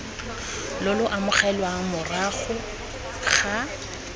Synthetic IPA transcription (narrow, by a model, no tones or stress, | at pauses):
lʊlʊʔamʊχɛlwamʊraχʊ | χa